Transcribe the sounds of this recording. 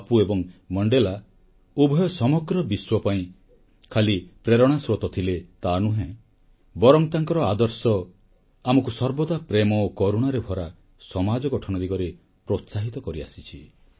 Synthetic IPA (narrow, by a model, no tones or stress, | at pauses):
puebɔŋmɔɳɖela | ubʱɔjɔsɔmɔɡɾɔbiswɔpaĩ | kʰalipɾeɾɔɽ̃asɾot̪ɔt̪ʰilet̪anũɦẽ | bɔɾɔŋt̪aŋkɔɾɔad̪ɔɾsɔ | amɔkusɔɾbɔd̪apɾemɔokoɾuɽ̃aɾebʱɔɾa | sɔmad͡ʒɔɡɔʈʰɔñɔd̪iɡɔɾe | pɾot̪saɦit̪ɔkɔɾia̰sit͡ʃʰi